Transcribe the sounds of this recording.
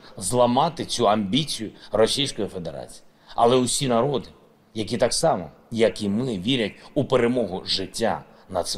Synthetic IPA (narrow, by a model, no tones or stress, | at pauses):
zlˠɐmɑt̪ɪt͡sʲuɐmʲbʲit͡sʲijʊrɔsʲijsʲkɔjife̞d̪eɾɑ̰t͡sʲi̥ji | ɐ̰lˠɛʊsʲinɐɾɔd̪ɪ | jɐkʲit̪ɑksɑmɔ̰ | jɐkimɪʋʲiɾʲɐtʲupeɾemɔɦʊʒɪtʲːa̰ | nɐd̪s